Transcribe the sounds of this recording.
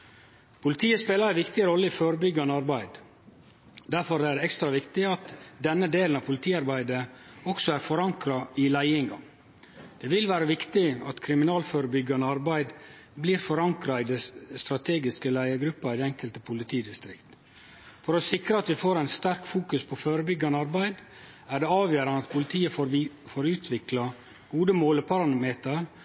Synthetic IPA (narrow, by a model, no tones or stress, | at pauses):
pʰʊlɪt̪ʰiːəspeːlɑɾæɪʋɪkt̪ɪɾɔlːəɪfoːɾəbʏɡːɑnəɑɾbæɪd̪ | d̪̥æɾfɔɾd̪ɛæɾɛkst̪ɾɑʋɪkt̪ɪɑt̪d̪ɛnːəd̪eːln̩ɑʋpʰʊlɪt̪ʰiːɑɾbæɪd̪əɔksɔæɾfɔɾɑŋkɾɑɪlæɪɪŋɡɑ | d̪̥ɛʋɪlʋæːɾəʋɪkt̪ɪɑt̪kʰɾɪmɪnɑːlføːɾəbʏɡɑnəɑɾbæɪd̪ | bliːɾfɔɾɑŋkɾɑɪd̪ɛst̪ɾɑt̪ʰeːɡɪskəlæɪəɡɾʉpːɑɪd̪ɛŋkəlt̪əpʰʊlɪt̪ʰiːd̪ɪst̪ɾɪkt̪ | fɔɾosɪkɾəɑt̪ʋɪfoːɾæɪnst̪æɾkfuːkʉspʰɔføːɾəbʏɡːɑnəɑɾbæɪd̪ | æɖɛɑːʋjøːɾɑnəɑt̪̚pʰʊlɪt̪ʰiːəfoːɾʉːt̪ʰʋɪklɑ | ɡ̥uːd̪əmoːləpʰɑɾɑnmeːt̪əɾ